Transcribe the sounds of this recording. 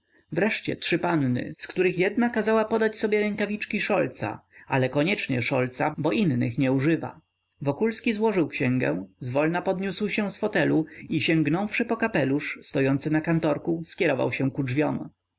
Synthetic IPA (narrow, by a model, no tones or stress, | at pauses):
vɾɛʂt͡ɕɛ̰tʂɘpanːɘ̰skt̪uɾɘxjɛd̪nakazawapɔd̪at͡ɕsɔbʲjɛɾɛŋkavʲit͡ʂkʲiʂɔlt̪sa̰alɛkɔɲɛt͡ʂɲɛʂɔlt̪sabɔʔinːɘ̰xɲɛuʐɘva̰ | vɔkulskʲizwɔʐɘwkɕɛ̃ŋɡɛ̰̃zvɔlnapɔd̪ɲuswɕɛ̃sfɔt̪ɛluiɕɛ̃ŋɡnɔ̃wfʂɘpɔkapɛluʂst̪ɔjɔnt̪sɘnakant̪ɔɾkuskʲɛɾɔva̰wɕɛw̃kud͡ʐvʲjɔm